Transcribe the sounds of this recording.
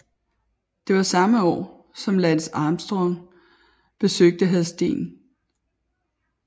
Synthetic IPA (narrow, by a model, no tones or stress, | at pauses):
d̥e̝ʋɑ̈sɑ̈məɒ̰ː | sɒ̽mlænsɑ̈ːmsd̥ʁɔm | b̥e̝søɡ̥̚d̥əɦæð̩ˠsd̥e̝̰ːn